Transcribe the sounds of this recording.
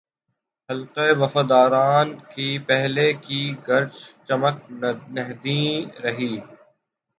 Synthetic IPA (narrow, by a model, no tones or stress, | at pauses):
hɐlqeeʋɐfaːd̪aːɾaːnkiːpɛɦlekiɡɐɾd͡ʒt͡ʃɐmək̚nɛɦd̪ĩːɾɐɦiː